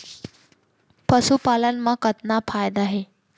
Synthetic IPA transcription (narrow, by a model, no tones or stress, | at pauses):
pəsupalənmakət̪napʰajd̪aɦe